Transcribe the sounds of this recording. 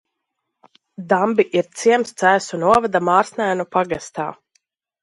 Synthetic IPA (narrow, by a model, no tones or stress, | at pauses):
d̪ambiʔiɾt̪siɛmst̪sæːsunuɔvad̪amaːɾsnʲæːnupaɡast̪a̰ː